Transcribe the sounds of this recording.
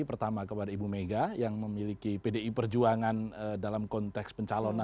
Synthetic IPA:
ipərt̪amakəpadaibumeɡajaŋməmilikipedeipərd͡ʒuaŋanədalamkɔnt̪ɛkspəɲt͡ʃalɔna

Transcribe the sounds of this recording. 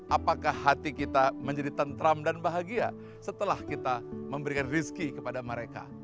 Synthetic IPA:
ʔapakahːat̪ikit̪aməɲd͡ʒadit̪ənt̪ɾamdanbaɦaɡia̰ | sət̪əlahkit̪aməmbəɾikanriskikəpadaməɾeka̰

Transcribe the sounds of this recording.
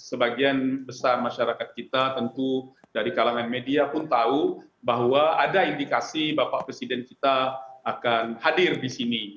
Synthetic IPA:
səbaɡianbəsarmaʃaɾakat̪̚kit̪at̪ənt̪u | daɾikalaŋanmediapʊnt̪aubaɦwaadaindikasibapaʔpɾesidɛnkit̪aakanhadɪrdisini

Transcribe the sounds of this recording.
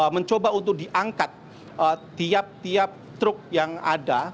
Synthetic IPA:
məɲt͡ʃobaunt̪ʊk̚diʔaŋkat̪̚ | əiap̚t̪iap̚t̪ɾʊk̚jaŋa̰da

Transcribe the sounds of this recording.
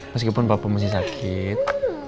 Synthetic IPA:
məs̬kipʊnpapamas̬ɪs̬akʰɪt̪̚

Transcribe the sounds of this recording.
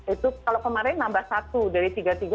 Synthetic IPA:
it̪ukalawkəmaɾɪnːambahsat̪udaɾit̪iɡat̪iɡa

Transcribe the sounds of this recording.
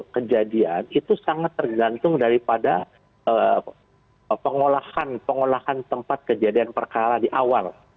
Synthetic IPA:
kəd͡ʒadianit̪usaŋat̪ːərɡant̪ʊŋdaɾipada | ə | pəŋolahanpəŋolahant̪əmpat̪̚kəd͡ʒadianpərkaɾadiʔawal

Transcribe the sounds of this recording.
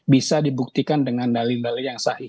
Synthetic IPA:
bisadibuk̚t̪ikandəŋandalidalijaŋsahi

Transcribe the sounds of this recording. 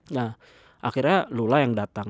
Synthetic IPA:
ja | ʔaxirɲalulajaŋdat̪a

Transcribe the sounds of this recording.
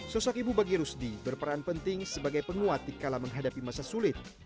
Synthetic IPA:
sɔsɔkibubaɡiɾusdibərpəɾanpənt̪ɪŋsəbaɡajpəŋuat̪ikalaməŋɦadapimasasulɪt̪̚

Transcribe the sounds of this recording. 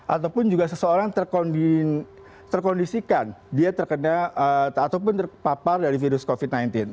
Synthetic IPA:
ʔat̪awpʊnd͡ʒuɡasəsəoɾaŋt̪ərkondi | t̪ərkɔndisikandiat̪ərkənaəat̪awpʊnt̪ərpapardaɾifiɾʊskofit̪̚najnt̪ɪn

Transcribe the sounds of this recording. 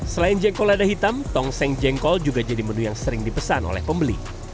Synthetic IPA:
səlaɪnd͡ʒɛŋkɔladaɦit̪amt̪ɔŋsɛŋd͡ʒɛŋkɔld͡ʒuɡad͡ʒadimənujaŋsəɾɪŋdipəsano̰lɛ̰hpəmbəlḭ

